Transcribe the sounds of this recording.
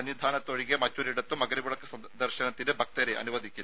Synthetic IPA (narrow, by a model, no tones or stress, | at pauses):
ɐnjid̪ʱaːnɐt̪ːoɻiɡemɐt͡ʃːuɾiɽɐt̪ːumɐɡɐɾibuɭɐkːɐsɐ | d̪ɐɾʃɐnɐt̪ːinebʱɐk̚t̪ɐɾeʔɐ̰nuʋɐd̪ʱikʲːilː